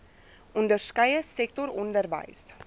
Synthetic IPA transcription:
ʔʊndərskɐjəsɛk̚tɔɾɔndərvɐ̰js

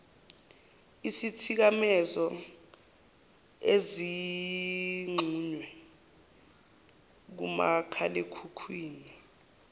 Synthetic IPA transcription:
isitʰik̬amɛzɔ | ezi | ŋ͡ǀʱuːɲwɛ | k̬ṵma̰kʰalekʰukʰwiːni

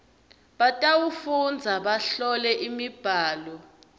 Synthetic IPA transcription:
ɓatʼawufund͡zʱaɓaɬɔlɛʔimib̥ʱaːlɔ

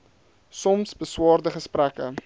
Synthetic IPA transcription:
sɔmsbəswɑːrdəχəsprækə

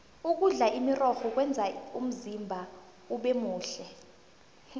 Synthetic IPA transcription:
uk̬uɮaʔimirɔxɔk̬wɛnd͡zʱaum̩zimbʱa | uɓemuːɬɛ

